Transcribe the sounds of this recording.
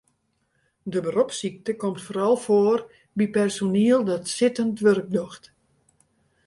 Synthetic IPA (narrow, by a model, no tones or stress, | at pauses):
dəbəropsik̚təkomtfoːɾɔlˠfoːər | bipɛrsoniəlˠdɔtsɪtəntʋørk̚doxt